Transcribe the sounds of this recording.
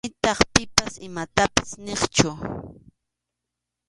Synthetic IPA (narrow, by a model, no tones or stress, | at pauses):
ɪt̪ɑχpɪpasɪmat̪apḁsneχt͡ʃʊ